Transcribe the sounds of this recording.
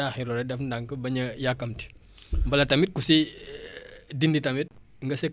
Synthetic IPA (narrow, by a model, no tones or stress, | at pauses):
aːxiɾɔɾɛdɛfndaŋkəbɐɲɐjakːɐmti̥ | mbɐlɐtɐmit̚kusi | dinditɐmit̚ | ŋɡɐsɛ